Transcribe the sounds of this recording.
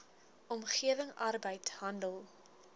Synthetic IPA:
ʔɔmχiəvəŋɐrbəjtɦɐndəlˠ

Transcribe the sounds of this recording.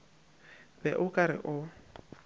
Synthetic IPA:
bɛʔʊkʼaɾɪ̰ʔʊ

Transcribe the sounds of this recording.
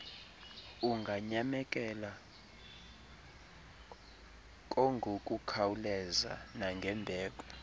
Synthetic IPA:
uŋɡʱaɲamɛkʼɛla | k̬ʼoŋɡʱokʼukʰawulɛza̰naŋɡʱɛmbʱɛːk̬ʼɔ

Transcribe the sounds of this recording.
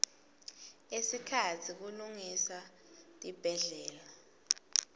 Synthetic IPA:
esikʰatʰik̬uluŋisa | tʼib̥ʱɛɮɛːla

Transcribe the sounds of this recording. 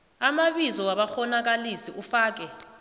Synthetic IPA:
amaɓizɔwaɓaxɔnak̬alisiufaːk̬ɛ

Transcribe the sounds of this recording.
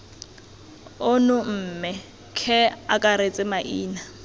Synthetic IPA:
ʊnʊm̩ːmɪ | kʰɛakʼaɾet͡sʼɪmaʔiːna

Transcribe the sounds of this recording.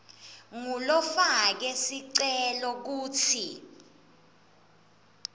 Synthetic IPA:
ŋulɔfak̬ɛsiǀɛlɔk̬uːt͡sʰi

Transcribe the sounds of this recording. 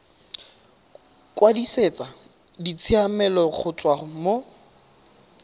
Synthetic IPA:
kʼwadiset͡sʼa | dit͡sʰiamɛlɔk͡xʰʊt͡sʼwamo

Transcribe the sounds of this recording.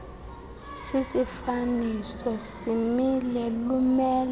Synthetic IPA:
sisifanisɔsimilelumɛːl

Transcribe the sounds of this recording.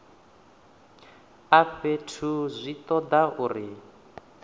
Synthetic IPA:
aɸetʰuzʷit̪ɔd̪aʔuri

